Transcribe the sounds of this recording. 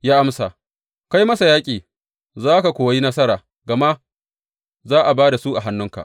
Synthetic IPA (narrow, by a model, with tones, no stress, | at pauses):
jaː˦ʔa˦msa˨ | ka˦jmɐ˦sa˨jaː˦kʲʼiː˨ | zaː˦ka˨kʷoː˨wji˦nɐ˦sɐ˦ɾaː˨ | ɡa˨ma˦ | zaː˦ʔa˨baː˦da˨su˦ʔa˨ɦa˦nːʊ˦ŋka̰˨ʔ